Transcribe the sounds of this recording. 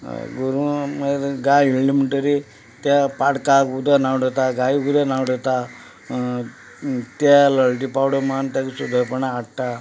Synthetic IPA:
ɡuɾumeɡajilɖimiʈəɾi | t̪apaɽkakud̪ʱənawɖʱet̪aɡaiɡud̪ʱanawɽet̪a | t̪aləɭʈipawɽomant̪akisud̪ʱəɾpəɳaːʈʈa

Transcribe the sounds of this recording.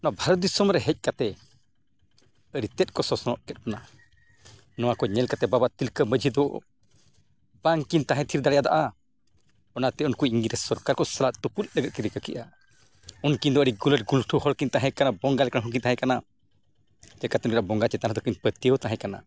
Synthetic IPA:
nɔabʱaɾɔt̪̚d̪isɔmɾɛɦɛc̚ˀkat̪ɛ | əɽit̪ɛt̪̚kɔsɔsɔnɔ̰t̚kɛt̪̚kɔna | nɔwakɔɲɛlkat̪ɛbabaʔt̪ilkəməd͡ʒʱid̪ɔ̰ | baŋkint̪aɦɛ̃t̪ʰiɾd̪aɽɛjad̪a̰ʔa | ɔnat̪ɛunkuiŋɡiɾɛsɔɾkaɾkɔsalaʔt̪uput̪̚ləɡət̪̚kiɾikəkiʔa | unkind̪ɔəɽiɡulətɡulʈʰuhɔɽkint̪ãɦɛ̃kanabɔŋɡalɛkanɦũk̬int̪aɦɛ̃kana | d͡ʒɛkat̪ɔnɾabɔŋɡat͡ʃɛt̪anad̪ɔkinpət̪ijəwt̪ãɦɛ̃kana̰

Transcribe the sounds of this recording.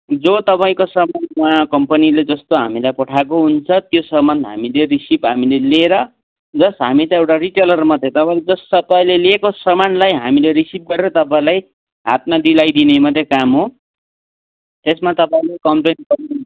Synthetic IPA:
d͡zot̪ʌpaĩkosʌmanmakʌmpʌniled͡zʌst̪oɦa̰milajpʌʈʰakoɦunt͡sʰʌt̪josʌmʌnd̪ɦa̰milerisipɦamileleɾʌ | d͡zʌsɦamit̪ʌewʈariʈelʌrmʌd̪ʱjet̪ʌpaĩled͡zʌst̪ʌpaĩlelekosʌmanlajɦamileɾisip̚ɡʌɾeɾʌt̪ʌpãĩlaj | ɦa̰t̪mad̪ilajd̪inemʌd̪ʱjekamɦo | t̪esmat̪ʌpaĩlekʌmplenkʌrn

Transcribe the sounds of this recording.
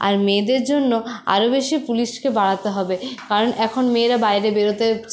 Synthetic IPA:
a̰ɾmeːd̪eɾd͡ʑonːoa̰ɾobeʃipuliʃkebaɽat̪eɦɔbekaɾonʔɛkʰonmeːɾabajɾebeɾot̪e

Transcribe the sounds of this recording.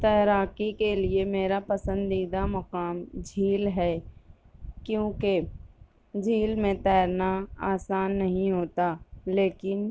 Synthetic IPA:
t̪ɛːɾaːkikeliemeːɾapɐsə̃nd̪iːd̪amɐkaːmd͡ʒʱiːlɦɛː | kjõːke | d͡ʒʱiːlmẽt̪ɛːɾnaaːsaːnːɐɦĩɦoːt̪aleːkɪn

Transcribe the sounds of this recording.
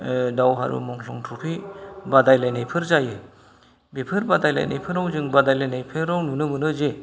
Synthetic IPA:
dawɦa̰ɾɯ̰mɔŋsɔŋtʰɔpʰibadajlajnajpʰɯɾzajɯ | bepʰɯɾbadajla̰jnʔa̰jpʰɯɾawzɯŋbadajlajnajpʰɯɾawnɯnɯmɯnɯze

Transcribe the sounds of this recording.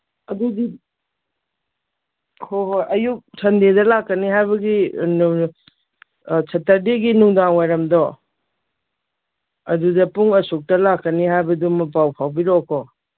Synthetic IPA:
ɐdudi | kʰoɦojʔɐjuk̚sʰɐndedɐlakːɐniɦajβɐɡi | sʰɐtːɐɾdiɡinuŋdaŋwajɾɐmdɔ | ɐdudɐpuŋɐsuk̚tɐlakːɐnihajbɐdumɐpawpʰawbiɾɔkʰɔ

